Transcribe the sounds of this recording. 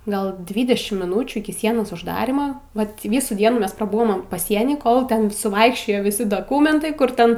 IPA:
ˈɡɐlˠ ˈdʲʋʲiːdʲɛʃʲɪmt mʲɪˈnuːt͡ʃʲuː ɪkʲɪ ˈsʲiɛnoːs ʊʒˈdɑːrʲɪmɐ ˈʋɐt ˈʋʲiːsuː ˈdʲiɛnuː ˈmʲɛs prɐˈbʊʋoːm pɐˈsʲiɛnʲiː ˈkoːlˠ ˈtʲɛn sʊˈʋɐɪkʃʲt͡ʃʲoːjoː ʋʲɪˈsʲɪ doːˈkʊmʲɛntɐɪ ˈkʊr ˈtʲɛn

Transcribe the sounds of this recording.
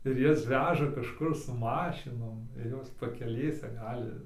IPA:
ɪr ˈjɛs ˈʋʲæːʒɐ kɐʃˈkʊr sʊ ˈmɑːʃʲɪnoːm ɪr ˈjoːs pɐkʲɛˈlʲeːsʲɛ ˈɡɑːlʲɪ

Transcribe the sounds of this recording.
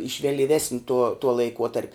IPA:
ɪʃ ʋʲɛlʲiːˈʋʲæːsʲnʲɪ tuɔ tuɔ lˠɐɪˈkuɔtɐrʲpʲ

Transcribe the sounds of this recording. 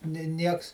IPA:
nʲɪ ˈnʲiɛks

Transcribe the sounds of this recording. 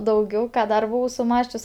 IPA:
dɐʊˈɡʲɛʊ ˈkɑː ˈdɐr bʊˈʋɐʊ sʊˈmɑːsʲt͡ʃʲʊs

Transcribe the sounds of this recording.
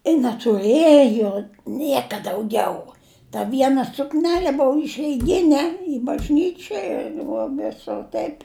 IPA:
ɪ nʲɛtʊˈrɘjoː ˈnʲiɛkɐ dɐʊˈɡʲɛʊ tɐ ˈʋʲiɛnɐ sʊkˈnʲæːlʲɛ ˈboːʊ ɪʃʲɛɪˈɡʲɪnʲɛ ɪ bɐʒʲˈnʲiːt͡ʃʲoːj ɪr ʋoː ˈʋʲɪsʊr ˈtɐɪpʲ

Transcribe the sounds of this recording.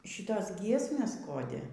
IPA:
ˈʃʲiːtoːs ˈɡʲiɛsʲmʲeːs ˈkoːdʲɪ

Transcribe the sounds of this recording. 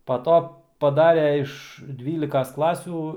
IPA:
pɐ ˈtoː pɐˈdɑːrʲɛ ɪʃ ˈdʲʋʲiːlʲɪkɐs ˈklˠɑːsʲuː

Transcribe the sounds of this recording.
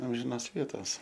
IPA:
ˈɐmʲʒʲɪnɐs ˈʋʲiɛtɐs

